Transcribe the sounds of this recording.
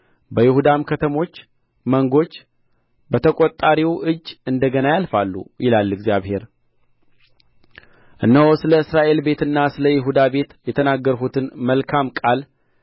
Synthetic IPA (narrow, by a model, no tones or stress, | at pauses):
bəjɪhud̪amkʰət̪ʰəmo̞t͡ʃː | məŋɡo̞t͡ʃː | bət̪ʰəkʼot̪ʼːaɾiwʔɨd͡ʒːɨnd̪əɡənajalfalːṵjɪlalːɨɡzijaβhe̞ɾ | ʔɨnːəwosɨləɨsɾaʔe̞lbe̞t̪ɨnːasɨləjɪɦud̪abe̞t̪jɛt̪ʰənaɡːəɾɦut̪ʰɨnməlkʰamkʼal